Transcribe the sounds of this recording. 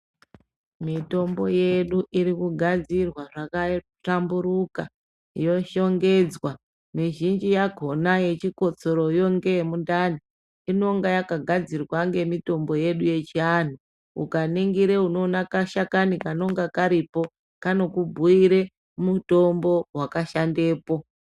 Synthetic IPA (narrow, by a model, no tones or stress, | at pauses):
mito̞mbo̞je̞ɗuʔiɾikuɡʱad͡zirwaʐaka | tambuɾuka | jo̞ʃo̞ŋɡe̞d͡zwa | niʒind͡ʒijaɡʱo̞naje̞t͡ʃiko̞t͡so̞ɾo̞jo̞ŋɡe̞mundani | ino̞ŋɡajakaɡʱad͡zirwaŋɡe̞mito̞mbo̞je̞ɗuje̞t͡ʃian̤u | ṵkaneŋɡiɾe̞uno̞ːnakaʃakanikano̞ŋɡakaɾipo̞ | kano̞kubʱuiɾe̞ | muto̞mbo̞wakaʃande̞ːpo̞